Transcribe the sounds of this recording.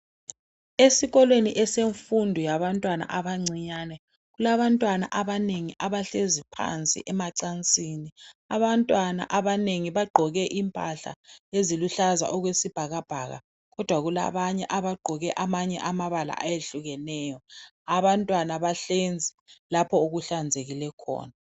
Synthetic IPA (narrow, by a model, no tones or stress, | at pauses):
esiɣɔlweniʔɛseɱfundʱɔjaβantʼwana̰ʔaβaŋ͡ǀʱiɲanɛ | ɣulaβantʼwana̰ʔaβaneŋiʔaβaɬezipʰa̰nt͡sʼḭʔɛmaǀant͡sʼiniaβantʼwana̰ʔaβaneŋiβaɡ͡ǃʱɔɣɛʔimpʼaɬa̰eziluɬaza̰ʔɔɣwesib̥ʱaɣab̥ʱaːɣa̰ | ɣɔd̥ʱwaɣula̰βaɲɛ̰ʔaβaɡ͡ǃʱɔɣɛʔamaɲɛ̰ʔamaβala̰ʔajeɬuɣɛnɛjɔ | aβantʼwanaβaɬend͡zʱilapʰɔuɣuɬand͡zʱeɣilɛkʰɔ̰ːna